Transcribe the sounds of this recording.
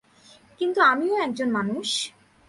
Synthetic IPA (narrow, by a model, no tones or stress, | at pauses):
kint̪uamioɛk̚d͡ʑonmanuʃ